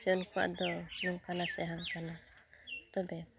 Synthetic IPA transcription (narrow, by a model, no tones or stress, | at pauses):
d͡ʒɔnkuwa̰ʔd̪ɔmiŋkanasɛɦaŋkana | t̪ɔbɛ